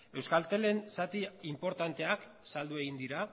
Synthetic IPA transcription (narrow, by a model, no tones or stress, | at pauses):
e̞wskalt̪e̞le̞nsat̪iimpo̞ɾt̪ant̪e̞ak | sald̪ue̞ɣind̪iɾa